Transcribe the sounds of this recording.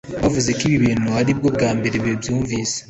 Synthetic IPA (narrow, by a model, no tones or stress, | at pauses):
βavuze̞kiβiβiːnuaɾibɡo̞bɡaːmbe̞ɾeβebjuːɱviːse̥